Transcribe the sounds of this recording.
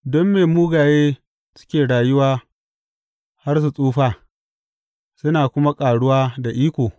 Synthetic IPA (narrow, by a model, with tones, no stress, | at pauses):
dɔ˦mːeː˨muː˦ɡaː˨jeː˦ | sʊ̥˦kʲeː˨ɽaː˨jʊ˦waː˦ | ha˦rs̬u˨sʼuː˦ɸaː˦ | sʊ˦naː˨kʷʊ˦ma˦kʼaː˨ɽʊ˦waː˦da˨ʔiː˦kʷoː˨